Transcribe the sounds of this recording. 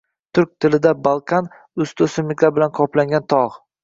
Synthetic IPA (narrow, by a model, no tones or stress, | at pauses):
t̪ʰʊɾkʲt̪ʰɪlɪd̪abalˠkʲʰan | ʊst̪ʰʊsɪmɪkʲabɪlanqʰɒplaŋɡʲant̪ʰɒʁ